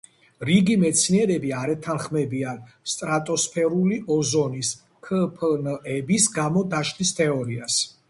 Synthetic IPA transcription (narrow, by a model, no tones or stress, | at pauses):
ɾiɡimɛt̪sʰniɛɾɛbiaɾɛt̪ʰanχmɛbian | st̪ʼɾat̪ʼɔspʰɛɾuliʔɔzɔnis | kʰəpʰnɛbisɡamɔd̪aʃlist̪ʰɛɔɾias